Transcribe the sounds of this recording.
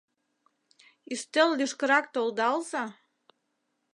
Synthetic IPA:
yst̪əllyʃkə̆ɾɑk̚t̪old̪ɑlzɑ

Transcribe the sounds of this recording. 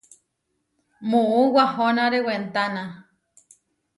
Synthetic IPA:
mũuwahõnãɾewent̪anã

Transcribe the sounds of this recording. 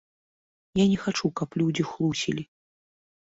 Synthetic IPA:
janʲɛxat͡ʂukɐplʲud͡zʲixlˠusʲḭlʲi

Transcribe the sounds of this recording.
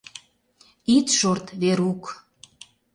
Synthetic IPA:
it̪ʃort̪βeɾuk

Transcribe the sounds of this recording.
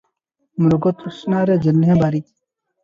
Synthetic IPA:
muɾɡot̪ɾusnaːɾed͡ʑɐlɦẽbaɾi

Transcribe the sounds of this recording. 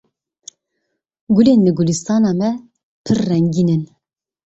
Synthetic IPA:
ɡuleːnːɨɡulist̪ɑːnɑːmɛ | pʰɨrːɛŋɡiːnɨn

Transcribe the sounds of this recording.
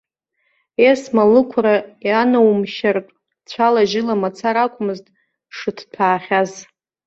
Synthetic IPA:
esmalɨkʷʰɾajanawmʃartʼ | t͡ɕʷʰalaʒɪlamat͡sʰaɾakʷʼʰʊmɨztʼ | ʂɨtʰpʰaːχʲaz

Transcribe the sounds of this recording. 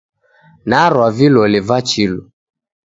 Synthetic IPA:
naɾwavilɔlivat͡ʃilɔ

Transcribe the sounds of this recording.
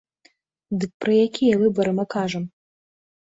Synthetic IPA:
d̪ɨk̚pɾɨjakʲʰijɐvɨbɐɾɨmɨkaʐɐm

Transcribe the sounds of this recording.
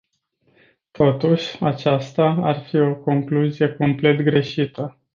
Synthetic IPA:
t̪ʰo̞t̪uʃʲat͡ʃast̪aarfio̞ko̞ŋkluzije̞ko̞mple̞t̪ɡɾe̞ʃit̪ə

